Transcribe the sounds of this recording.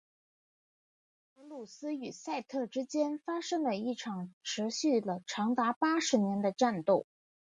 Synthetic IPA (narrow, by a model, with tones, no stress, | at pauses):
ɤ˧˥lu˥˩sɹ̩˥y˨˩sa˥˧ɪt̪ʰɤ˥˩ʈ͡ʂɻ̩˥t͡ɕjɛ˥nfa˥ʂɤ˥ŋlə˨i˥˩ʈ͡ʂʰɑ˨˩ŋʈ͡ʂʰɻ̩˧˥ɕy˥˩lə˩ʈ͡ʂʰɑ˧˥ŋt̪a˧˥pa˥ʂɻ̩˧˥njɛ˧˥nd̪ə˧ʈ͡ʂa˥˧nt̪o˥˩ʊ